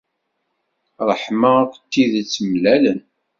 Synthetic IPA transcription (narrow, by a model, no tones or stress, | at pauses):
ɾˤəħmakt̪ːiðt͡sːəmlælən